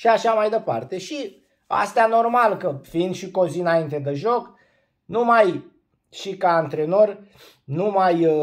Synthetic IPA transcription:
ʃiaʃamajd̪e̞pa̰rt̪e̞ʃi | a̰st̪eano̞rmalkəfiind̪ʃiko̞zinaint̪e̞d̪eʒo̞k | numaj | ʃikaːnt̪ɾe̞no̞rʲ | numaj

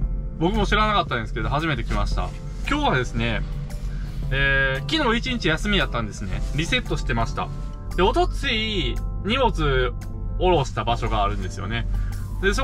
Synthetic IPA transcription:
bo̞kɯ̟mo̞ɕiɾanakat̪ːãnd̪esɨ̥keed̪o̞ɦaʑime̞t̪e̞kʲimaɕi̥t̪a̰ | kʲo̞ːβad̪e̞sɨne̞ | eːkʲino̞ːit͡ɕĩɲ̟it͡ɕijasɨmʲijat̪ːãnd̪e̞sɨne̞ɾʲise̞t̪ːo̞ɕi̥t̪e̞maɕi̥t̪a̰ | d̪̥e̞o̞t̪o̞t͡sɨiɲ̟imo̞t͡sɨ | o̞ɾo̞ɕt̪abaɕo̞ɡaːɾɯ̟̃nd̪e̞sɨjo̞̰ne̞ | d̪e̞so

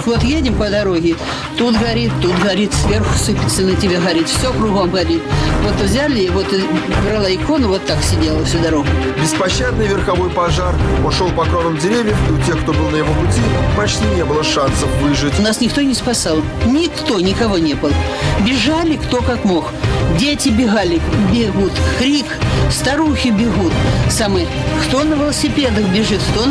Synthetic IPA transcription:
kvo̞t̪jedʲɪmpəd̪ɐɾo̞ɣʲɪ | t̪ut̪ɣɐɾʲit̪ːut̪ɣɐɾʲit̪svʲerxʊ̥sɨpʲɪsɨnɨtʲɪbʲeɣɐɾʲit̪fsʲokɾʊɣomɣɐɾʲit̪vo̞t̪vzʲalʲɪvo̞t̪ɡɾɐlˠaɪko̞nʊvo̞t̪ːaksʲɪdʲelˠəfsʲud̪ɐɾo̞ɣʊ | bʲɪspɐɕːad̪̚nɨjvʲɪrxɐvo̞jpɐʐarpʊʂolˠpɐkɾonɨmdʲɪɾʲevʲjəfiʊtʲexkt̪o̞bɨlˠnəjɪvo̞pʊtʲipɐt͡ɕtʲinʲebɨlˠəʂansəfvɨʐɨtʲʊnasnʲɪkt̪o̞nʲɪspɐsalˠ | nʲɪkt̪o̞nʲɪkɐvo̞nʲe̞bɨlˠə | bʲɪʐalʲɪkt̪o̞kakmo̞xdʲetʲɪbʲɪɣalʲɪbʲɪɣut̪xɾʲikst̪ɐɾuxʲɪbʲɪɣut̪samɨj | xt̪o̞nəvʲɪlˠəsʲɪpʲe̞d̪əxbʲɪʐɨt̪xt̪o

